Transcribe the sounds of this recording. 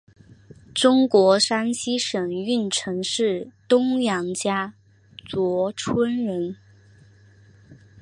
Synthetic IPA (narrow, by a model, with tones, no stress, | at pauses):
ʈ͡ʂʊ˥ŋkwɔ˧˥ʂa˥nɕi˥ʂɤ˨˩ŋy˥˩nʈ͡ʂʰɤ˧˥ŋʂɻ̩˥˩t̪ʊ˥ŋjɑ˧˥ŋt͡ɕja˥ | t͡swɔ˧˥ʈ͡ʂʰwə˥nɻə˧˥n